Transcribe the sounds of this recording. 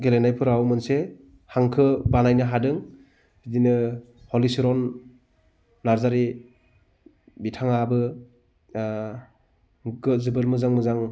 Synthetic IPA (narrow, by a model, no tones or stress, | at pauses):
ɡelenajpʰɯɾawmɯnse | haŋkʰɯbanajnɯɦadɯŋ | idinɯ | hɔlisiɾɔn | aɾzaɾi | bitʰaŋabɯ | ɡɯzɯbɯlmɯzaŋmɯzaŋ